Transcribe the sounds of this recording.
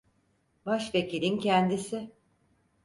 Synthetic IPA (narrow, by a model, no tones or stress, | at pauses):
baʃvecilʲincʰɛnd̪isɪ